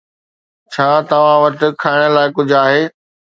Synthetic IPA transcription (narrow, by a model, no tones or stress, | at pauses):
t͡ɕʰaːt̪ɐʋ̤ãʋɐʈɪ̆kʰaːɪɽ̃ə̆laːɪkʊd͡ʑʱaːɦeː